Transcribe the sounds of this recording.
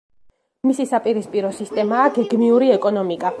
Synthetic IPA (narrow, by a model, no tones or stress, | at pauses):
misisapʼiɾispʼiɾɔsist̪ʼɛmaːɡɛɡmiuɾiɛkʼɔnɔmikʼa